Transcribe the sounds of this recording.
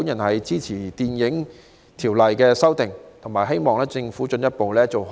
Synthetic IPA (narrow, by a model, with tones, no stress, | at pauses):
u˨˥njɐ˨˩nhɐ˨jt͡siː˥t͡sʰiː˨˩t̪iː˨njɪ˨˥ŋ | t̪ʰiː˨˩wlɐ˨jkɛː˧sɐ˥wt̪ɪ˨ŋt̪ʰʊ˨˩ŋmaː˨˩jɦe˥jmɔː˨˩ŋlɛː˥t͡sɪ˧ŋfuː˨˥t͡ʃɵ˧njɐ˥t̚po˨wlɛː˥t͡so˨w